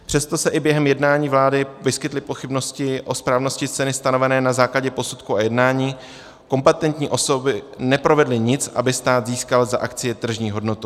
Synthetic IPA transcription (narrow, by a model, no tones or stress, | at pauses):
pr̝̥ɛst̪o̞sɛʔɪbjɛɦɛmjɛdnaːɲiːvlaːdɪvɪskɪt̪lɪpo̞xɪbno̞scɪʔo̞spɾaːvno̞scɪst͡sɛnɪst̪ano̞vɛnɛːnazaːklaɟɛpo̞sut̪kuajɛdnaːɲiː | ko̞mpɛt̪ɛnt̪ɲiːʔo̞so̞bɪnɛpɾo̞vɛdlɪɲɪt͡sʔa̰bɪst̪aːd̪ziːskalzaʔakt͡sɪjɛt̪r̩ʒɲiːɦo̞dno̞t̪u